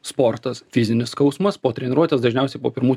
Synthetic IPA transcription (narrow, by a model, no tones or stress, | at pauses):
spoːɾt̪ɐsfʲɪzʲɪnʲɪskɐʊsmɐspoːt̪ʲɾʲɛnʲɪɾuɔt̪ʲeːsd̪ɐʒʲnʲɛˑʊsʲɛɪpoːpʲɪɾmuː